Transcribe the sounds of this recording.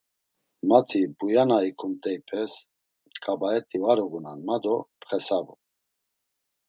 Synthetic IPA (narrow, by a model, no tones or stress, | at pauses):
mat̪ʰibujanaikʰumt̪ʼɛipʰɛs | kʼabaɛt̪ʼivaɾɔɡunanmad̪ɔpʰχɛsabṵ